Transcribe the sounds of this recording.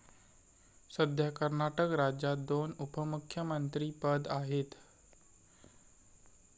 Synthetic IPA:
səd̪ʱjakəɾnaʈəkɾad͡ʑat̪̚d̪onupəmukʰjəmənt̪ɾiːpəd̪aɦet̪

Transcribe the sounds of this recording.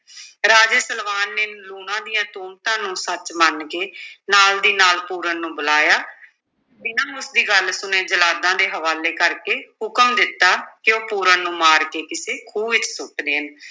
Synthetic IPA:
ɾaːd͡ʒeːsəlʋaːnːeːluːnãːd̪ɪjãːt̪uːmt̪ãːnũːsət͡ʃmənkeːnaːld̪iːnaːlpuːɾənːũːbəlaːjaː | d͡ʒɪnãːʊsd̪iːɡəlsʊneːd͡ʒəlaːd̪ãːd̪eːɦəʋaːleːkəɾkeːhʊkəmd̪ɪt̪ːaːkɪoːpuːɾənnũːmaːɾkeːkɪseːkʰuːɪt͡ʃsʊʈd̪eːɦən

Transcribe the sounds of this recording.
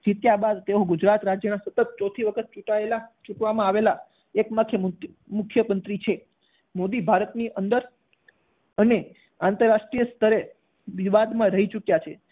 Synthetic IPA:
d͡ʒit̪jabad̪t̪eoɡud͡ʒɾat̪ɾad͡ʒjənasət̪ət̪̚t͡ʃɔt̪ʰiʋəkʰət̪̚t͡ʃuʈaelat͡ʃuʈʋamãaʋela | ekməkʰjəm | mʊkʰːjəmənt̪ɾit͡ʃʰe | mod̪ibʱaɾət̪niʔənd̪əɾ | əne | ant̪əɾːaʂʈɾijəst̪ʰəɾe | ʋiʋad̪mãɾəɦit͡ʃukjat͡ʃʰe

